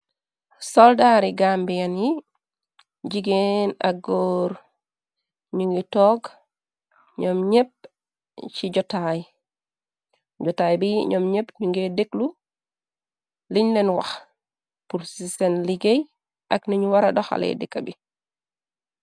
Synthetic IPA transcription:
sɔldaɾiɡambijanji | d͡ʒiɡenaɡoːɾ | ɲuŋɡitɔɡ | ɲɔmɲep̚ | t͡ʃiɟɔtaj | ɟɔtajbiɲɔmɲepɲuŋɡedeklu | liɲnɛnwa̰x | puɾsisɛnliɡej | ʔakniɲuwaɾaɗɔxa̰lɛ̰dɛkːabi

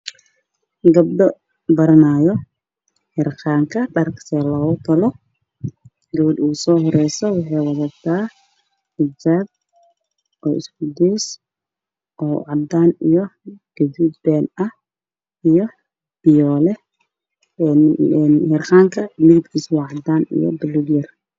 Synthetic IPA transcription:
ɡɐb̚ɖɔ | bɐɾɐnaːjɔ | hɛrqaːŋkʰɐɖɐrkʰsɛːlɔːɣʊt̪ʰɐlɔ | ɡɐwʊd̪uːsɔːɦɔɾɛjsɔwɑħɑjwɑðɐb̚t̪ʰaː | hɪd͡ʒaːb̚ | ʔɔːɪ̰sɡʊd̪ɛjs | ʔɔːʕɑd̪aːnijɔɡ̥ɐduːd̪̚bɛːnɐh | ijɔ | b̥ɪjɔːlɛ | nhɛrqaːŋkʰɐlɪɡt̪kʰiːswɑːʕɑd̪aːnḭjɔ̰bɪluːd̪jɐr

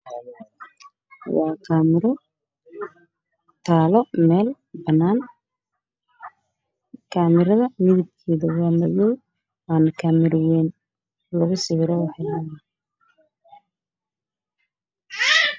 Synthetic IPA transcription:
wɑːkʰamɪɾɔ | t̪ʰaːlɔmɛːl | bɐnaːn | kʰaːmɪɾɐðɐmɪðɪb̚kʰiːðɐwaːmɐjɛ | aːnkʰaːmɪɾɪwɛːn | lɐɣʊsɪwɪɾɔwɑħɪlaːjɐ

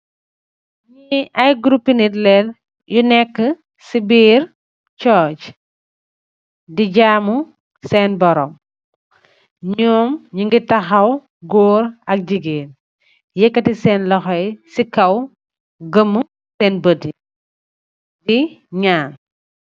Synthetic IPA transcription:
ɲiɐjɡɾupːinitlɛl | junɛkːə | sibiːɾ | t͡ʃɔːc | diɟaːmu | sɛːnbɔɾɔm | ɲɔːmɲiŋɡitɐxɐw | ɡɔːɾɐk̚ɟiɡeːn | jɛkːɐtisɛːnlɔxɔjsikɐw | ɡəmːə | sɛːnbədi | diɲaːn

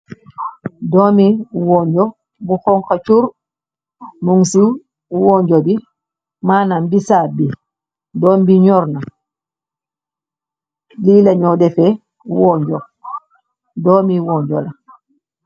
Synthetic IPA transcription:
dɔmiwɔɲd͡ʒɔ | buxɔŋkat͡ʃuɾ | muŋsu | wɔɲd͡ʒɔbi | maːnambisaːbi | dɔmbiɲɔɾna | lilaɲɔdɛfɛ | wɔɲd͡ʒɔ | dɔːmiwɔɲd͡ʒɔla

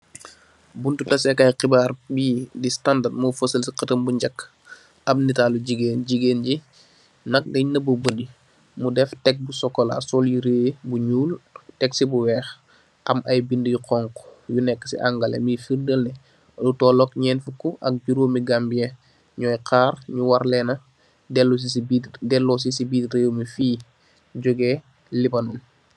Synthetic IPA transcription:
buntutɐsɛkajqibaːɾbiːdistandadmufosəlsiqɐtəmbuɲd͡ʒɐkː | ɐmnitaluɟiɡeːnɟiɡeːnɟi | nɐk̚ɡɐɲnɐbubədi | mudɛftɛk̚busɔkːɔla̰sɔljiɾeːbuɲuːltɛksibuwɛːx | ʔɐmɐjbindəjqɔŋkɔ̥junɛkːə̥sḭʔaŋɡɐlḛmifirdəlnɛ | lutɔːlɔkɲɛːnfukuʔɐ̰k̚ɟuɾoːmiɡambijɛ | ɲɔːjkʰaːrɲuwaɾlɛnɐ | dɛlbidɛlːɔːs̬isibiːtrejomifiː | ɟuɡɛː | libɐnun

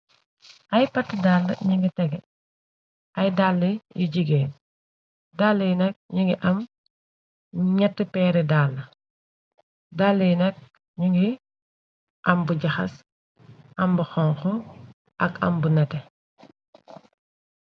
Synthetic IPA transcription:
ʔɐjpɐtːdaːlːɐ̰ɲiŋɡitɛɡɛ | ʔɐjdalːijuɟiɡɛːn | daːlːijnɛk̚ɲuŋɡiʔɐm | ɲɛtːupɛːɾɛdaːlːɐ | daːlːijnɛk̚ | ɲuŋɡi | ʔɐmbuɟɐxɐ̰s | ʔɐmbuxɔŋxɔ | ʔɐkɐ̰mbunɛtɛ

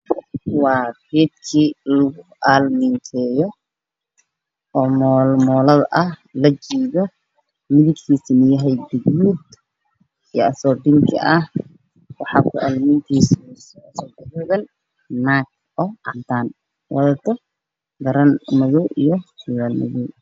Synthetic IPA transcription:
wɑːfid̪kʰiːlʊɣʊ | aːlmɪnt̪ʰɛːjɔ | ɔːmɔːlmɔːlɐðʔɐhlɐt͡ʃiːðɔ | mɪðɪɡkʰiːsɪnɪjɐɦɛjd̪ɪɡmuːd̪̚ | ijɐsɔːɖɪŋkʰɐ̰ʔɐh | wɑħɑːkʰʊʔɐlmɪnt̪ʰiːssɔsɔɐðɔːɣɐn | nak̚ | ɔːʔɐnt̪ʰaːn | wʔɑðɐt̪ʰɔ | ɡɐɾɐnmɐðuːʔijɔhɪjaːlmɐ̰ðuː

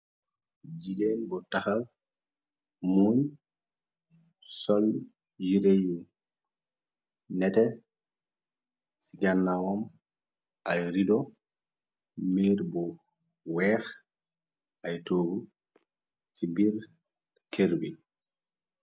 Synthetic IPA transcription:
d͡ʒidenbɔtahal | mun | sɔl | jiɾeji | nɛtɛ | siɡanːawɔm | ʔajɾidɔ | miɾbɔ | wɛx | ʔajtoːɡu | sibiɾ | kʰeɾbi

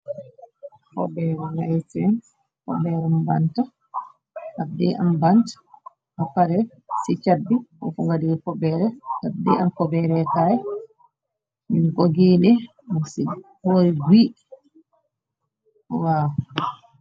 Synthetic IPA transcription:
kɔbɛɾɛnajtɛn | kɔ̰bɛɾɛmbanta | adɛʔa̰mbantḁ | hapːaɾɛ | sit͡ʃabːiɔ̰fuŋɡadiɡɛkɔbɛɾɛadɛ̰amkɔbɛɾɛkaj | minkɔɡiːnɛ | misihoɾiɡi | ɔwaw

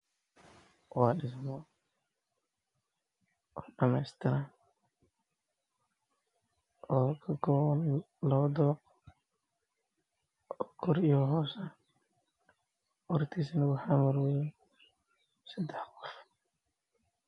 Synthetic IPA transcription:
wɑːɗɪs̬mɔ | ʔɔɖɐmɛjst̪ʰɪɾan | ʔɔːkʰɐɡɔn | lɐβɐd̪ɔq | ɔːkʰɔɾijɔɦɔːsɐ | wɔɾt̪ʰiːsɛnɐɣʊħamɐɾwɛjɛ | sɐd̪ɛħqɔf

